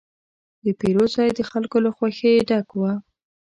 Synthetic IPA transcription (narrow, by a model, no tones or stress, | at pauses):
d̪əpeɾozɑjd̪əxalkolaxwaxeɖakwa